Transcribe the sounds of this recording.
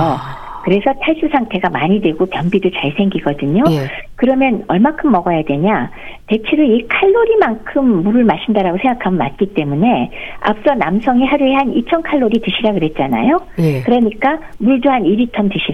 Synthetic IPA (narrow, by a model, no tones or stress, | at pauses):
ʌ | kɯɾe̞sʰʌtʰaɭs͈usʰaŋtʰe̞ɡamaɲidwe̞ɡopjʌmbidot͡ɕaɭsʰeŋɡiɡʌdɯɲokɯɾʌmjʌnʌɭmakʰɯmːʌɡʌjadwe̞ɲa | te̞t͡ɕʰeɾɯikʰaɭːoɾimankʰɯmːuɾɯɭmaɕʰindaɾaɡosʰe̞ŋɡakʰamʌnma̰t̚k͈it͈e̞mune̞a̰ps͈ʌnamsʰʌŋiɦaɾueɦanit͡ɕʰʌnkʰaɭːoɾitɯɕʰiɾakɯɾe̞t̚t͡ɕ͈ana̰jokɯɾʌɲik͈amuɭduɦaniɾitʰʌntɯɕʰia